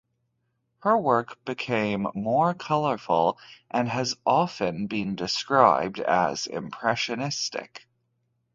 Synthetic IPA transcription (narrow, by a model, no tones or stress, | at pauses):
hə˞wɜ˞kb̥ɨkʰẽɪ̃mːɔɹkʰʌlˠə˞fʊl̩ˠʔɨ̃nɨzʔɑfɨ̃nbɪ̃ndɨskɹaɪb̚dɨ̰zɪ̰̃mpʰɹ̥ɛʃɨnɪstɪ̰k